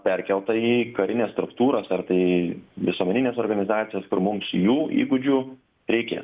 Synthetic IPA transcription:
pʲɛɾʲkʲɛlˠt̪ɐiːkɐɾʲɪnʲeːst̪ɾʊkt̪uːɾoːsɐrt̪ɐɪʋʲɪsuɔmʲɛnʲɪnʲeːsoːɾɡɐnʲɪzɑːt̪sʲɪjɛskʊɾmʊmsjuːḭːɡʊd͡ʒʲuː | ɾʲɛɪkʲḛːs

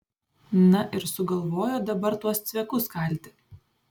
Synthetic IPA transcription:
nɐʔɪɾsʊɡɐlˠʋoːjoːd̪ɐbɐɾt̪uɔst̪sʲʋʲɛkʊskɐlʲt̪ʲɪ

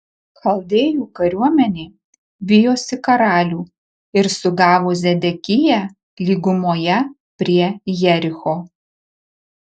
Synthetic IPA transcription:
kʰɐlˠd̪ʲeːjuːkɐɾʲuɔmʲɛnʲeː | ʋʲɪjoːsʲɪkɐɾɑːlʲuː | ɪɾsʊɡɑːʋoːzʲɛd̪ʲɛkʲɪjæ | lʲiːɡʊmoːjɛ | pʲɾʲiɛjɛɾʲɪxoː

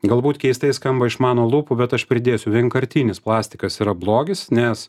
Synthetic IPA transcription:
ɡɐlˠbuːt̪kʲɛɪst̪ɐɪskɐmbɐɪʃmɑːnoːlˠuːpubʲɛt̪ɐʃpʲɾʲɪd̪ʲeːsʲʊʋʲiɛŋkɐɾʲt̪ʲiːnʲɪsplˠɑːsʲt̪ʲɪkɐsiːɾɐblˠoːɡʲɪsnʲɛs

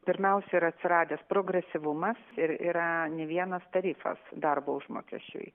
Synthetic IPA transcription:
pʲɪɾʲmʲɛʊsʲɛiɾɐt̪ʲsʲɪɾɑːd̪ʲɛːspɾoːɡɾʲɛsʲɪʋʊmɐsɪɾḭːɾɐnʲɛʋʲiɛnɐst̪ɐɾʲiːfɐ̰sd̪ɐrboːʊʒmo̰ːkʲɛ̰ʃʲt͡ʃʲʊ̰j

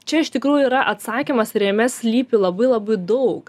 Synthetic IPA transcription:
t͡ʃʲɛɪʃt̪ʲɪkɾuːjʊiːɾɐʔɐt̪sɑːkʲimɐsɾʲɛmʲɛsʲlʲiːpʲɪlˠɐbɐɪlˠɑːbɐɪd̪ɐʊk

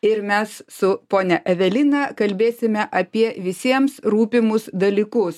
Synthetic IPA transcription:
ɪɾmʲɛssʊpoːnʲɛʔɛʋʲɛlʲɪnɐkɐlʲbʲeːsʲɪmʲɛʔɐpʲiɛʋʲɪsʲiɛmsɾuːpʲɪmʊsd̪ɐlʲiːkʊs

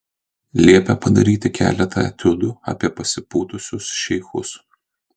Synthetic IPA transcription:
lʲiɛpʲɛpɐd̪ɐɾʲiːt̪ʲɪkʲæ̰ːlʲɛt̪ʰɐ̰t̪ʲʊd̪uɐ̰pʲiɛpɐsʲɪpuːt̪ʊsʲʊsʃʲɛɪxʊs

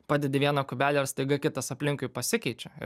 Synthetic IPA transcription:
pɑːd̪ʲɛd̪ʲɪʋʲiɛnɐkʊbʲæːlʲɛɐɾst̪ɐɪɡɐkʲɪt̪ɐsɐpʲlʲɪŋkʊɪpɐsʲɪkʲɛɪt͡ʃʲɛɪ̰

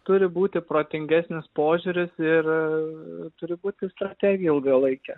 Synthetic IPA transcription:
t̪ʊɾʲɪbuːt̪ʲɪpɾoːt̪ʲɪŋʲɡʲæsʲnʲɪspoːʒʲuɾʲɪsɪr | t̪ʊɾʲɪbuːt̪ʲɪst̪ɾɐt̪ʲæɡʲɪjɛɪlˠɡɐlˠɐɪkʲɛ

